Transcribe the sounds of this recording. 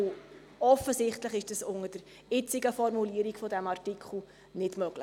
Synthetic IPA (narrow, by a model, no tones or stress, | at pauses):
ɔfəsɪχtləχɪʃd̥əsʊŋəd̥əɾ | ɪt͡sɪɡəfɔrmuliəɾikfɔdæmɑrtikχl̩ | nɪtmœɡləχ